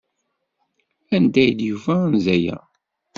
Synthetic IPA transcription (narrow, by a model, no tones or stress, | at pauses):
ænd̪æjd̪juvænzæjæ̰